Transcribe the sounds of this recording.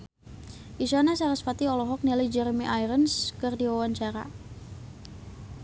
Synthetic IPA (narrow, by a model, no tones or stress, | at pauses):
ʔisanasaɾəspat̪iɔlɔɦɔk̚niləjd͡ʒɛɾmiʔajɾənskɨrdiwawaɲt͡ʃaɾa̰